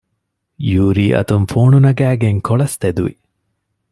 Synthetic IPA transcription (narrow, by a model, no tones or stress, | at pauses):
juːɾiːʔɐ̰t̪umfoːnunɐɡæːɡeŋkoɭɐst̪ed̪uʋḭ